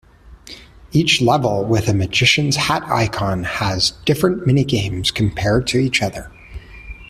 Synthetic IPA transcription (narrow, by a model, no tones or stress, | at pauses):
it͡ʃlɛvl̩ˠwɪðɨmɨd͡ʒɪʃɨ̃nz̥hæɾa̰ɪkʰɑ̃nəzd̥ɪfɹɨ̃nmɪñiɡẽɪ̃mz̥kʰm̩pʰɛɹd̚tʰɨit͡ʃʌðə˞